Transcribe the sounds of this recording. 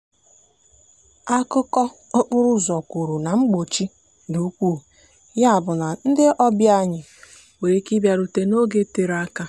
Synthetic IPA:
a˦kʊ˦kɔ˦o˦k͡pʊ˦ɾʊ˦zɔ˨ku˨ɾu˨na˨ŋ͡m̩˦ɡ͡bo˨t͡ʃi˦ | du˨˦kʷuː˦˨ | ja˦a˨bʊ˨na˨n̩˦dɪ˦ɔ˦bja˦ɲɪ˨ | we˨ɾe˨ki˦bja˨ɾu˨te˨no˦ɡe˦te˨ɾa˦ka˦

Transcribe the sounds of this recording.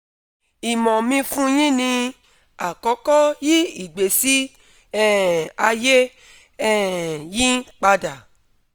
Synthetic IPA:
i˨mɔ̃˨mĩ˧fũ˦j̃ĩ˦nĩ˧ | a˨kɔ˨˦kɔ˦ji˦i˦˨ɡ͡be˨si˦ | ɛ˦˨a˧je˦ | ɛ˦˨jĩ˦k͡pa˧da˨

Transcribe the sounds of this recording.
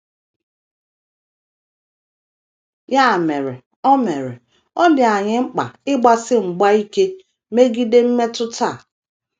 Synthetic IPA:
ja˦˨me˨ɾe˨ | ɔ˦me˨ɾḛ˨ | ɔ˦dɪ˨a˨ɲɪ˦ŋ͡m̩˦k͡pa̰˨ɪ˦ɡ͡ba˦sɪ˦ŋ͡m̩˨ɡ͡ba˦i˦ke˦ | me˦ɡi˦de˦m̩˦me˦tʊ˦ta˦˨

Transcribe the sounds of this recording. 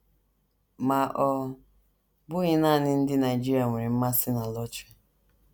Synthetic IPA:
ma˨ʔɔ˨ | bʊ˦ɣɪ˦naː˦˨nɪ˦n̩˦dɪ˦na˨ɪ˨d͡ʒi˦ɾi˦a˨ŋʷe˨ɾi˨m̩˦ma˦sɪ˦na˨lɔ˦t͡ʃe̥˦

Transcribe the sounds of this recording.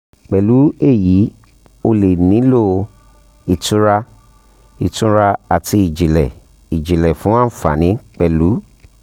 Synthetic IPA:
k͡pɛ˨lu˨˦e˦˨ji˨˦ | o˧le˨nĩ˨˦lo˦˨ | i˧tũ˦ɾa˧ | i˨tũ˧ɾa˧a˨tʰi˧i˨d͡ʒi˨lɛ˨ | i˨d͡ʒi˨lɛ˨fũ˨˦ã˦n̩˨fa̰˨nĩ˨˦k͡pɛ˨lu˨˦

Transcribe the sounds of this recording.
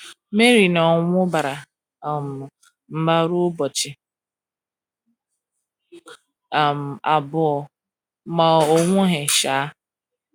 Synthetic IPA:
me˦ɾi˨nɔ˨ŋʷʊ˦ba˨ɾa˨ | m̩˨ | m̩˦ba˦ɾʊ˦bɔ˨t͡ʃɪ˨ | a˨m̩˨a˨bʊ˨ɔ˨ | ma˨o˦ŋʷʊ˦ɦe˨ʃa˨˦

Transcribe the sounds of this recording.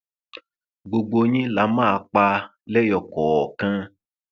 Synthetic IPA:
ɡ͡bo˧ɡ͡bo˧ɲĩ˦la˨˦mã˦˧k͡pa˧lɛ˦jɔ˨kɔ˨ɔ˨kã˧

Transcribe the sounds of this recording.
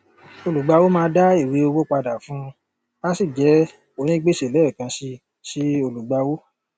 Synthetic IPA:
o˧lu˨ɡ͡ba˧wo˦mãː˧˦da˦i˦˨wi˨˦o˧wo˦k͡pa˧da˨fũ˦ | a˦si˦˨d͡ʒɛ˨˦ | o˦˨nĩ˦ɡ͡be˦˨ʃe˨lɛ˨˦˨kã˧ʃi˧ | ʃi˦o˧lu˨ɡ͡ba˨˧wo˦

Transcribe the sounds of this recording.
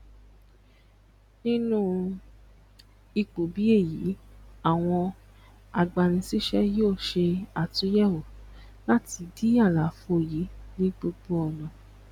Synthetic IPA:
nĩ˦nũ˦ | i˧k͡po˨bi˨˦e˦˨ji˨˦a˦˨w̃ɔ̃˧ | a˨ɡ͡ba˨ñĩ˧si˦ʃɛ˦joː˦˨ʃe˧a˨tũ˨˦jɛ˦˨wo˨ | la˦ti˧di˦a˦˨la˨˦fo˧˦˨ji˨˦nĩ˦ɡ͡bo˧ɡ͡bo˦ɔ˧nɔ̃˨

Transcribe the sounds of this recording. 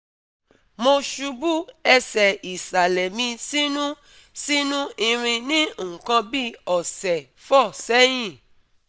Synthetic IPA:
mo˧ʃu˧bu˦ɛ˧sɛ˨i˨sa˨lɛ˨mĩ˧si˦nũ˦ | si˦nũ˦i˧ɾ̃ĩ˧nĩ˦õ˦˨kã˧bi˦ɔ˨sɛ˨ | fɔ˦˨sɛ˦j̃ĩ˦˨

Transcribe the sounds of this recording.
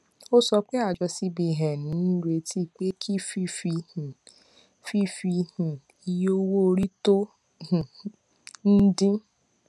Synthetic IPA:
o˦sɔ˧k͡pe˦a˦˨d͡ʒɔ˧si˧bi˧˨ɦɛ̃˨nĩ˨˦n̩˦we˧ti˦˨k͡pe˦kʰi˦fi˦fĩ˧˨ | fi˦fi˧hĩ˨ | i˧jo˦wo˦˧ɾi˦to˦ | h | n̩˦dĩ˦

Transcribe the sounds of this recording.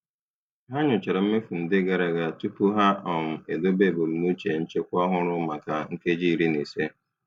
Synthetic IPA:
ɦa˦ɲʊ˨t͡ʃɪ˨ɾɔ˨m̩˦me˦fu˨n̩˨dɪ˦ɡa˨ɾa˨ɡa˨tu˦pʊ˦ɦa˦ɔ˨m̩˨e˨do˦be˦˨bʊ˨lmu˦t͡ʃe˨n̩˦t͡ʃe˦kʷɔ˦ɦʊ˦ɾʊ˦ma˨ka˨ŋ̩˦ke˦d͡ʒi˦˨ɾi˦ne˨se˦

